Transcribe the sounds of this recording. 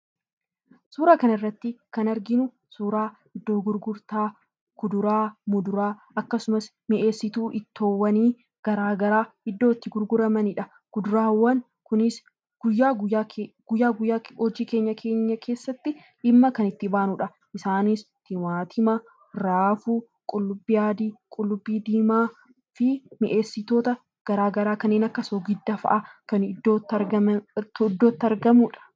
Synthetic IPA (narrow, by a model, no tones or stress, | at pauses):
suːɾaːkɐnɐɪrːɐt̪ːɪkɐnɐɾɡɪnʊ | suːɾaːhɪd̪ːo̞ːɡʊɾɡʊɾt̪aː | kʊd̪ʊɾaːmʊd̪ʊɾaː | ɐkːɐsʊmɐsmɪʔe̞ːsːɪt̪uːʔɪt̪ʰːoːwːɐniː | ɡ̥ɐɾaːɡɐɾaːhɪd̪ːo̞ːt̪ːɪɡʊɾɡʊɾɐmɐnɪᶑɐ | kʊd̪ʊɾaːwːɐn | kʊnɪs | ɡ̥ʊjːaːɡʊjaɡ̥ʊjːaːɡʊjːaːhɔd͡ʒiːke̞ːɲːɐkʰeːɲːɐkʰe̞ːsːɐt̪ːɪ | ɪmːɐkɐnɪt̪ːɪbaːnuᶑɐ | ʔɪsaːnis | t̪ɪwaːt̪ʰɪmɐ | ɾaːfu | kʼʊlːʊbːijaːd̪iːkʼʊlːʊbːiːd̪iːmaː | fɪmɪʔe̞ːsːɪt̪o̞ːt̪ɐ | ɡ̥ɐɾaːɡɐɾaːkɐnːeːnɐkːɐsoɡɪd̪ːɐfɐ̰ʔaːkɐnd̪oːt̪ːɐɐd̪ːo̞ːt̪ːɐɾɡɐmuːᶑɐ̥